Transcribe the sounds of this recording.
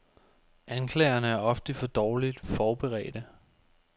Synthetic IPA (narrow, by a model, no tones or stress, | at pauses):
ʔænkʰlɛ̰ːɐnəæɐɒ̽fd̥əfɒ̽d̥ɒːlid̥fɒːb̥eʁɛ̰ːd̥ə